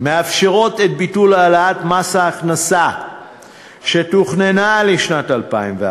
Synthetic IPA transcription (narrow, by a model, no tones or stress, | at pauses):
meafʃeʁo̞tet̚bitulaːlaatmasaːχnasa | ʃe̞t̪uχnenaleʃnatalpaimve